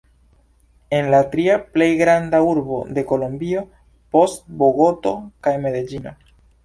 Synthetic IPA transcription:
e̞nlatɾiaple̞jɡɾandauɾbo̞de̞ko̞lombio̞ | po̞stbo̞ɡo̞to̞kajme̞ded͡ʒino̞̰

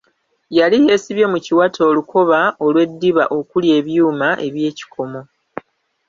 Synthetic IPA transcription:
jalije̞ːsiβjo̞muciwatʰo̞ːluko̞βao̞lwe̞dːiβa̰ʔo̞kulje̞ːβjuːmaʔe̞βje̞ːci̥kʰo̞mo̞

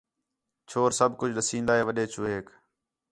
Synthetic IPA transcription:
t͡ʃʰoːɾsəbʱkʊd͡ʒʱɗəsĩːnd̪aːɦeːʋəɗeːt͡ʃʰuːɦeːk

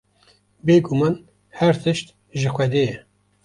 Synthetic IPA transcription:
beːɡʊmɑːn | hæɾt̪ʰɨʃt̪ | ʒɪxʷɛd̪eːjɛ

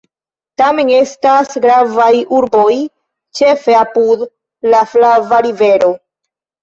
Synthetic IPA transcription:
tame̞ne̞stasɡɾavajuɾbo̞j | t͡ʃe̞fe̞apud | laflavaɾive̞ɾo̞

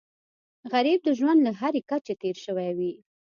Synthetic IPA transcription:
ɣaɾib̚d̪əʒwand̪laɦaɾekat͡ʃet̪eɾʃəwajwi

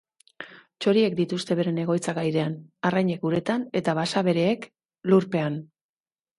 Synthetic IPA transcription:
t͡ʃo̞ɾie̞kd̪it̪ust̪e̞βe̞ɾe̞ne̞ɣ̞o̞jt͡saɣajðe̞anarajɲe̞kuɾe̞t̪ane̞t̪aβasaβe̞ɾe̞ːk | luɾpe̞an

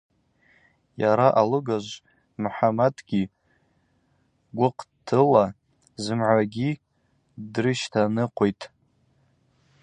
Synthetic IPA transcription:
jaɾaʔalɨɡaʒʷ | mħamadɡʲi | ɡʷʊqʼtʰɨla | zɨmʕʷaɡʲi | drɨʃtʰanɨqʷʰojtʼ

